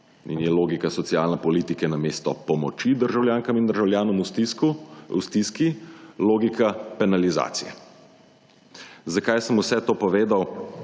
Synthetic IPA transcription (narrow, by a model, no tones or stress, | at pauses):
ḭnjɛloːɡikasɔt̪sijaːlnɛpɔliːt̪ikɛnameːst̪ɔpɔmɔt͡ʃid̪əɾʒawljaːŋkamind̪əɾʒawljaːnɔmut̪iṵst̪iskiloːɡikʰapɛnaliza̰ːt̪sijɛ̰ | zakajsəmusɛt̪oːpɔʋeːd̪aw